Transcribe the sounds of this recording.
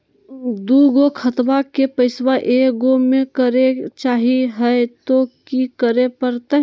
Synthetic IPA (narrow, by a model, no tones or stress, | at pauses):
d̪uɡokʰət̪bakepəɪswaʔeɡomẽkəɾet͡ʃaːɦiɦɛet̪okikəɾepəɾt̪ɛɦ